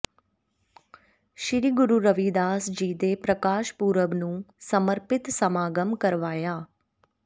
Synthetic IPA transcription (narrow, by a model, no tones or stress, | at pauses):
ʃɪɾiːɡʊɾuːɾəʋiːd̪aːsd͡ʒiːd̪eːpɾəkaːʃpuːɾəbnũːsəməɾpɪt̪səmaːɡəmkəɾʋaːjaː